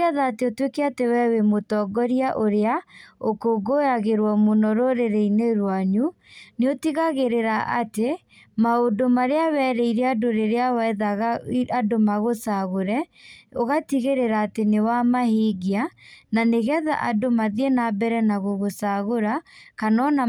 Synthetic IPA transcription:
ɛðaːteotwekɛatewɛwemotɔːɡɔɾiaʔoɾeaokoɡojaɣeɾwɔmonɔɾoɾeɾeineɾwaɲu | neotiɣaɣeɾeɾaʔa̰te | maodomaɾeawɛɾɛiɾɛadoɾeɾeawaɛðaɣadomaɣosaɣoɾɛoɣatiɣeɾeɾaːtenewamahiɡiananeɣɛða̰ʔadomaðiɛnabɛɾɛnaɣoɣosaɣoɾakanɔna

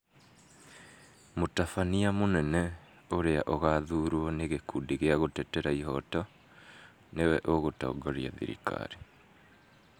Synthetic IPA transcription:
motafaniamonɛnɛ | oɾeaʔoɣaðuɾwɔneɣekuːdiɣeaɣotɛtɛɾaiɦɔtɔ | newɛʔoɣotɔ̰ːɡɔɾia̰ðḭɾḭka̰ɾe

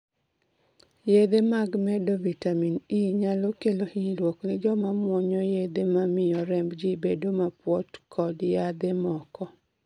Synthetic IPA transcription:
jed̪emaɡmɛdobitaminiɲalokelohilwɔknɪd͡ʒɔmamwɔɲɔjed̪emamɪjɔɾɛmbd͡ʒibedomapwɔtkʰɔdjad̪emɔkɔ

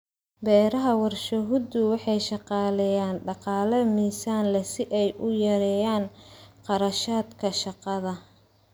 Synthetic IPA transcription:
bɛːɾɐɦɐwɑrʃɐɦʊd̪ʊwɑħɑjʃɑqɑːlɛjaːnɖɑqɑːlɐmiːsaːnlɛsɪʔɛjʔʊjɐɾɛːjaːnqɑɾɐʃaːd̪kʰɐʃɑqɑðɐ

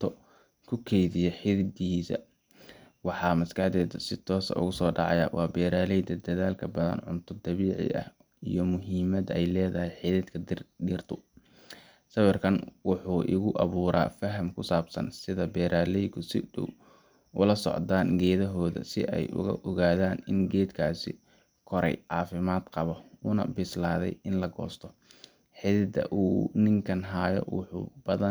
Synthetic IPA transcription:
t̪ʰɔ | kʰʊkʰɛjðɪjɛħɪðɪd̪iːsɐ̰ | wɑħɑːmɐskɑħd̪ɛːd̪ɐsɪt̪ʰɔːsɐ̰ʔʊ̰ɣʊsɔːɖɑʕɑ̰jɐ̰wʔɑːbɛːɾaːlɛjd̪ɐd̪ɐðaːlkʰɐbɐðɐ̰nʕʊ̰nt̪ʰɔd̪ɐβiːʕɪ̰ɐ̰h | ijɞmʊɦiːmɐd̪ɛjlɛːðɐɦɛjħiðɪd̪kʰɐd̪iːrt̪ʰʊ | sɐwɐrkʰɐnwʊħuːʔɪ̰ɣʊʔɐβuːɾa̰ːfɐɦɐmkʰʊsaːbsɐ̰nsɪðɐbɛːɾʔaːlɛjkʰʊsɪ̰dʊ̰w | ʔʊlɐsɔ̰ʕd̪aːnɡɛːðɐɦɔːðɐ̰sɪʔɛjʔʊ̰ɣɐ̰ʔɔɣaːðaːnɪnɡɛːd̪kʰaːsɪ̰ | kʰɔɾɛ̰jʕɑːfɪmaːd̪qɑβɔunɐ̰bɪslaːðɛ̰jɪnlɐɡɔ̰ːst̪ʰɔ | ħɪðɪd̪ɐ̰ʔuːnɪŋkʰɐnɦaːjɔ̰wʊ̰ħṵːbɐðɐ

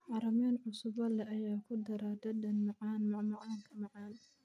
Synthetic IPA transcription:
ʕɑɾɐmɛnʕʊsʊbɐlɛʔɐjaːkʰʊd̪ɐɾad̪ɐd̪ɐnmɑʕɑːnmmɐʕɑːŋkʰɐmɑʕɑːn

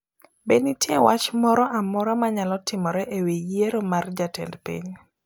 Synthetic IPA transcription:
benitjewat͡ʃmɔɾɔʔamɔɾɔmaɲalɔtɪmɔɾɛʔeweeɾomard͡ʒatɛ̰ndpḭɲ

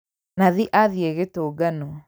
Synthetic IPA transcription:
naðiʔaðieɣetoːɡanɔ

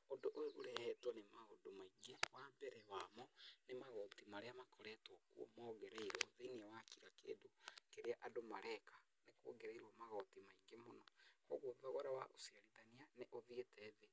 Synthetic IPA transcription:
ondoʔoeoɾɛhɛtɔnemaɣodomaiŋɡewambɛɾɛwamɔnemaɣɔtimaɾeamakʰɔɾɛtwɔkuɔ̰mɔːɣeɾeiɾwɔðeiniawakiɾakḛːdokeɾeaʔadomaɾʔɛkḁ | nekwo̰ɣeɾeiɾwamaɣɔtimaiŋɡemonɔkɔ̰ɣoðaɣoɾawa̰ʔosiaɾiðanianeʔoðietʰɛðe

